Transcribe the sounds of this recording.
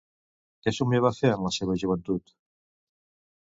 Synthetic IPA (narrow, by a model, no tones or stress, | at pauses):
kesumeβaθeɾənlɐseβ̞əʒuβ̞ənt̪ut̪